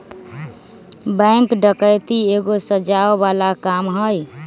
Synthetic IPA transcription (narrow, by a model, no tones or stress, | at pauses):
bə̃ŋkɖəkəjt̪ieɡosəd͡ʒawbalakamɦəj